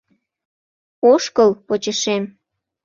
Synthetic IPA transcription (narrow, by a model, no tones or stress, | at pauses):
oʃkəlpot͡ɕəʃem